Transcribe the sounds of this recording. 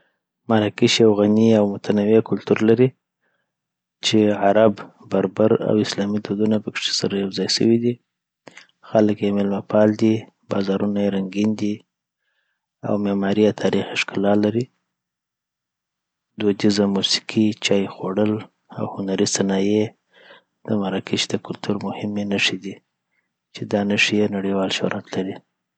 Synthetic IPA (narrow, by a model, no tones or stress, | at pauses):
maɾakiʃawɣaniawmʊt̪ʰanawekʊlt̪uɾlaɾi | t͡ʃeʕaɾab | baɾbaɾa̰wɪslɑmid̪od̪unapəkʂe̥saɾajawzɑjsə̰wid̪i | xaləkjemɪlmapɑld̪i | bɑ̰zɑɾunajeɾaŋɡind̪i | a̰wmemɑɾiawt̪ʰɑɾixɪʃkɪlɑlaɾi | d̪od̪izamusi̥qʰit͡ʃɑjxoɽəl | a̰whʊnaɾisanɑje | d̪̥əmaɾɑkʰiʃd̪əkʊlt̪ʰuɾmʊhɪmenaʂid̪i | t͡ʃed̪ɑnəʂijenaɽiwɑlʃo̰ɾʔat̪laɾi